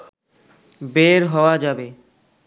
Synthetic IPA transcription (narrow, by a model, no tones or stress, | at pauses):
beɾɦɔoad͡ʑabe